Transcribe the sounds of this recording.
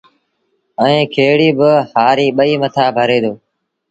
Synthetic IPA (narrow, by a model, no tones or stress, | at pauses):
əĩːkʰeːɽiːbɪhaːɾiːɓəiːmət̪ʰaːbʱəɾeːd̪oː